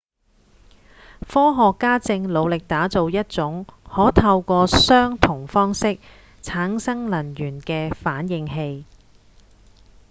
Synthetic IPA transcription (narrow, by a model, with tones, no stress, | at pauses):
fɔː˥ɦɔː˨kːaː˥t͡sɪ˧ŋlo˨˧wlɪ˨k̚t̪aː˨˥t͡so˨wjɐ˥t̚t͡sʊ˨˥ŋhɔː˨˥t̪ʰɐ˧wkʷɔː˧sœː˥ŋt̪ʰʊ˨˩ŋfɔː˥ŋsɪ˥k̚ | t͡sʰaː˨˥ŋsɐ˥ŋlɐ˨˩njyː˨˩nkɛː˧faː˨˥njɪ˧ŋɦe˧j